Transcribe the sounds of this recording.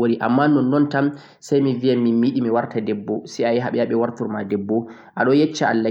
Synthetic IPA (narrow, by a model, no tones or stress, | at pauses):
oɾiʔa̰mːanɔnːɔntam | sajmivijaminmiɗimiwaɾtadɛbːɔsɛajɦaɓɛjaɓɛwaɾtuɾmadɛbːɔ | ʔaɗɔjɛt͡ʃːaalːa